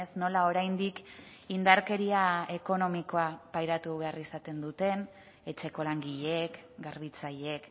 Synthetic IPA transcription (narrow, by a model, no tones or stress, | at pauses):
esno̞lao̞ɾajnd̪ik | ind̪aɾke̞ɾiae̞ko̞no̞miko̞apajɾat̪uβe̞arisat̪e̞nd̪ut̪e̞n | e̞t͡ʃe̞ko̞laŋɡiʎekɡarβit͡saʎe̞k